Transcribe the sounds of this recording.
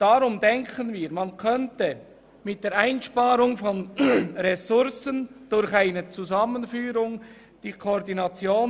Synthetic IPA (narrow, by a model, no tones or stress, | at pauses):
d̥aɾʊmdɛŋkənviːɾmankʰœntə | mɪt̚d̥eːɾaɪnʃpɑːɾʊŋfɔnɾɛsʊɾsənd̥ʊɾçaɪnət͡suzɑmənfyːɾʊŋ | d̥iːkʰoɾdinɑt͡sjoːn